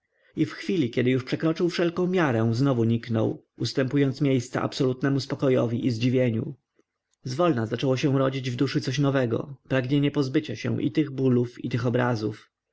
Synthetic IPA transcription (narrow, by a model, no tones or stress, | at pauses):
ifxfʲilʲikʲɛd̪ɘjuʂpʂɛkɾɔt͡ʂɘwfʂɛlkɔ̃w̃mʲjaɾɛ̃znɔvuɲiknɔ̰w | ust̪ɛmpujɔnt̪smʲjejst̪sa̰ʔa̰psɔlut̪nɛmuspɔkɔjɔvʲiʔizd͡ʑivʲjeɲṵ | zvɔlnazat͡ʂɛwɔɕɛ̃ɾɔd͡ʑid͡ʑvd̪uʂɘt̪sɔɕnɔvɛɡɔ̰pɾaɡɲeɲɛpɔzbɘt͡ɕaɕɛ̰̃ʔḭt̪ɘɣbulufit̪ɘxɔbɾazuf